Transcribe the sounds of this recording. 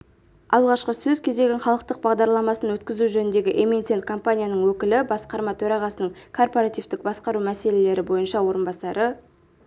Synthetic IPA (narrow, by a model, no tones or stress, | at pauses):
ɑlˠʁɑʃqəsɵzkʲʰe̞zd̪e̞ɡʲɪnχɑlˠəq̚t̪əq̚bɑʁd̪ɑɾlˠɑmɑsənwɵt̪kʲɪzuʒɵnɪnd̪e̞ɡʲɪʔement̪sent̪̚kʰo̞mpanʲijanəɴwɵkʲɪlɪbɑsqɑɾmɑt̪ʰɵɾɑʁɑsənəɴkʰo̞rpo̞ɾat̪ijvt̪ɪk̚bɑsqɑɾumæse̞le̞le̞ɾɪbo̞jənʃɑwo̞ɾənbɑsɑɾʔə